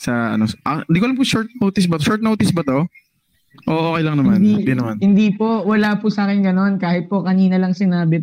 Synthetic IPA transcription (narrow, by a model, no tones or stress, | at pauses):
sɐɐ̰nosʔɐ̰nd̪ikoɐlɐmkʊʃoɹt̪̚noːt̪ɪsbɐt̪oʃoɹt̪̚noːt̪ɪsbɐt̪o̞ | ʔoːʔoːkɛjlɐŋnɐmand̪inɐmanhɪnd̪iːpo̞wɐlaːpusaːkɛnɡɐno̞nkaːhɪt̪̚po̞kɐniːnɐlɐŋsɪnaːbɪ